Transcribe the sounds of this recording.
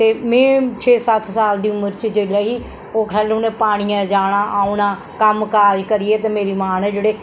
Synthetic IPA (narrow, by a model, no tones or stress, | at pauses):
t̪eːmɛ̃ːt͡ʃʰeːsət̪ʰsaːld̪iːʊməɾt͡ʃd͡ʒeːlaːɦiː | oːkʰɛːlʊnẽːpaːɽ̃ijãːd͡ʒaːɽ̃aːʔaːʊnãː | kəmkaːd͡ʒkəɾiːeːt̪eːmeːɾiːmaːnɛːd͡ʒeːɽeː